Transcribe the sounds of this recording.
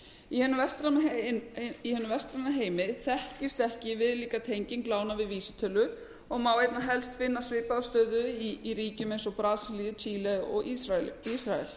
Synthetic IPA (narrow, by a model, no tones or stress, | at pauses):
ihɛnːʏmvɛst̪ɾa | ihɛnʏvɛst̪ɾanːaɦeːjmɪθɛhcɪst̪ɛhcɪvɪðliːkat̪ʰejɲcɪŋklaːwnavɪðviːsɪt̪ʰœlːʏ | ɔɣmaːwejt̪naɦɛlst̪fɪnːasvɪːpaðst̪œːðʏiiɾiːcʏmejnsɔpɾaːðsliːʏt͡ɕʰiːlɛɔ̰ɣiɾaisɾaɛl